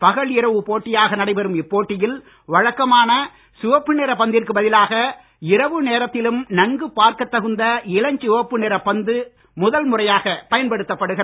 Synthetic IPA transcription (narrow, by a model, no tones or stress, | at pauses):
pɐɣɐɭɪɾɐʋɯpoːʈːɪjaːɣɐnɐɽɐɪpɐɾɯmɪpːoːʈːɪjɪl | ʋɐɻɐkːɐmaːnɐ | sʊʋɐpːɯneːɾɐpɐnd̪ɪrkɯbɐðɪlaːɣɐ | ɪɾɐʋɯneːɾɐt̪ːɪlɯmnɐŋɡɯpaːɾkɐt̪ːɐɣɯnd̪ɐɪlɐɲt͡ʃʊʋɐpːɯneːɾɐpɐnd̪ɯ | mʊðɐlmʊrɐjaːɣɐpɐjɐnpɐɽɯt̪ːɐpːɐɽɯɣɐ